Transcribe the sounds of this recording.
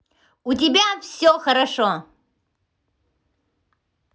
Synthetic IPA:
utibʲafsoxɐɾaʂo

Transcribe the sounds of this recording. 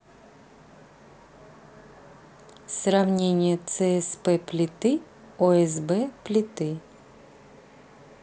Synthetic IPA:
sɾavnʲenʲɪjət̪sɛɛspɛplʲɪt̪ɨ | ɔɛzbɛplʲɪt̪ɪ

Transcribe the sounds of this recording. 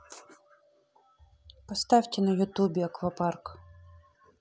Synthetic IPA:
pɔst̪ɑwʲtʲɪnɐjʊt̪ubʲiɐkʋɐpɑrk

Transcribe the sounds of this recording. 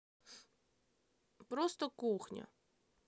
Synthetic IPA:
pɾost̪əkuxnʲɐ̰

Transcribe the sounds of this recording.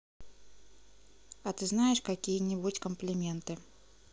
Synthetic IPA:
ɐt̪ɨznajɪʂkakʲijənʲibutʲkəmplʲɪmʲent̪ɨ

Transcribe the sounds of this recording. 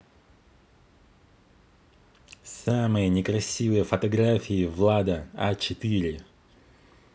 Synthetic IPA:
samɨjənʲɪkɾɐsʲivɨjəfət̪ɐɡɾafʲɪːvlˠad̪əa̰t͡ɕɪt̪ɨɾʲɪ

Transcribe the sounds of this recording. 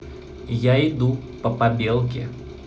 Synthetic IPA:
jaɪd̪upəpabʲelˠkʲɪ

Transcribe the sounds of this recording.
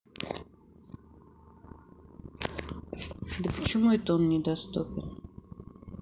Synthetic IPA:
d̪əpə̥t͡ɕɪmuɛt̪onnʲɪd̪ɐst̪upʲɪn

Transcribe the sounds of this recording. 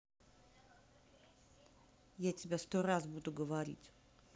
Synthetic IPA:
jat͡sʲɪbʲast̪ɔɾazbud̪uɡəvaɾʲḭt͡sʲ

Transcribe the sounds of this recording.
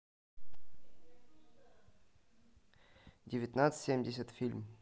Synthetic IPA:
dʲɪvʲɪt̪nat̪sɨ̥tʲsʲemʲdʲɪsʲət̪fʲilʲm

